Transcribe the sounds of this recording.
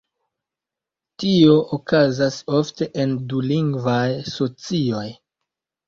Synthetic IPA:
tio̞ʔokazaso̞fte̞ʔenduliŋɡvajso̞t͡sio̞j

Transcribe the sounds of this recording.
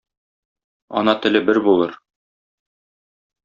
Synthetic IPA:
ɒ̰nɑt̪ɘ̆lɘbɘɾbulˠɤɾ

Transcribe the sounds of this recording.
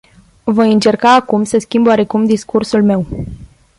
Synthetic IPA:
vojɨnt͡ʃe̞rkaːkumsəskʲimboaɾe̞kumd̪iskursulme̞w

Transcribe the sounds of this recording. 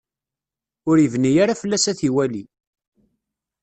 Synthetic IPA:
ʊɾəvnijaɾafəlːæsæθiwæli

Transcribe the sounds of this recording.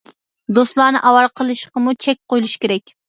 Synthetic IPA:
d̪ost̪lˠɑːnɨʔɑwɑɾqʰəlˠɨʃqəmut͡ʃʰɛk̚ʲqojlˠuʃkʲeɾɛkʲ

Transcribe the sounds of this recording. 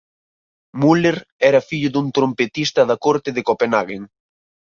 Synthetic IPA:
muleɾɛɾɐfiʎʊðuŋt̪ɾompet̪ist̪ɐðɐkoɾt̪ɪðekopenaɣeŋ

